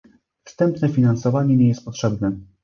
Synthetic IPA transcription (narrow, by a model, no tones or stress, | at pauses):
fst̪ɛmpnɛfʲinansɔvaɲɛɲɛjɛst̪̚pɔtʂɛbnɛ